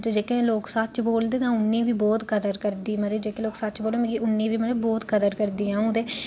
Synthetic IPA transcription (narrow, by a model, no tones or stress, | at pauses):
t̪ed͡ʒeːkẽloːksət͡ʃboːld̪eːt̪ãːʊnːẽːʋiːbɔːt̪kəd̪əɾkəɾd̪iːməɾed͡ʒeːkeːloːksətːt͡ʃboːleːmẽːkiʊnːẽːʋiːməɾebɔːt̪kəd̪əɾkəɾd̪iːãːd̪eː